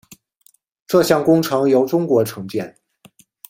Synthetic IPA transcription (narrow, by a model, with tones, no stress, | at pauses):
ʈ͡ʂɤ˥˧ɕjɑ˥˩ŋkʊ˥ŋʈ͡ʂʰɤ˧˥ŋjo˧˥ʊʈ͡ʂʊ˥ŋkwɔ˧˥ʈ͡ʂʰɤ˧˥ŋt͡ɕjɛ˥˩n